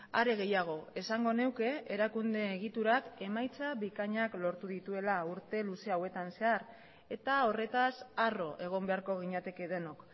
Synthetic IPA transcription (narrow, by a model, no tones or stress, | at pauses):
a̰ɾe̞ɣ̞e̞jaɣ̞o̞e̞saŋɡo̞ne̞wke̞eɾakund̪e̞ːɣ̞it̪uɾake̞majt͡saβikaɲaklo̞ɾt̪uðit̪ue̞lauɾt̪e̞luse̞awe̞t̪anse̞aɾ | e̞t̪ao̞re̞t̪asaro̞ʔe̞ɣ̞o̞mbe̞aɾko̞ɣ̞iɲat̪e̞ke̞ðe̞no̞k